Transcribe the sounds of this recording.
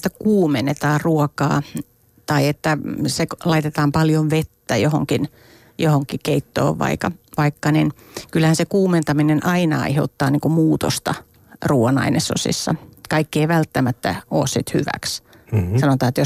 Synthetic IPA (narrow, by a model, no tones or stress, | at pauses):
t̪ːækuːmenet̪ɑːrruɔkɑ̰ː | t̪ɑiet̪ːæseklɑit̪et̪ɑːmpɑljoʋʋet̪ːæjohoŋkin | johoŋkikeit̪ːo̰ːʋʋɑ̰ikɑʋɑikːɑnin | kylhænsekuːment̪ɑminenʔɑinɑɑ̰iheut̪ːɑːniːŋkumuːt̪o̰st̪ɑ̰ | ruːɑnɑ̰inʔeso̰sḭsːɑ̰kɑikːieiʋælt̪ːæmæt̪ːæ̰o̰ːssit̪hy̰ʋæ̰ks | sɑnot̪ɑːet̪jo